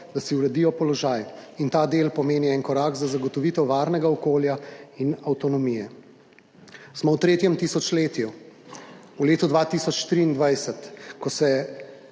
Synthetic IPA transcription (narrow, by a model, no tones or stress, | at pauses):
d̪asiuɾɛd̪ijɔpɔlɔʒaːjint̪aːd̪eːlpɔmeːniɛnkɔɾaːkzazaɡɔt̪ɔʋit̪ɛwʋaːɾnɛɡaɔkoːljainawt̪ɔnɔmijɛ | smɔwt̪ɾeːt̪jɛmt̪iːsɔt͡ʃleːt̪ju | uleːt̪ud̪ʋat̪isɔt͡ʃt̪ɾiːnd̪ʋajsɛt̪kɔsɛ